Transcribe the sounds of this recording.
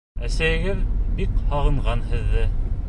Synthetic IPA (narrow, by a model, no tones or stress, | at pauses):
æsæjɘ̆ɡɘðbikhɑʁɤ̆ɴʁɑnhɘ̆ðːɘ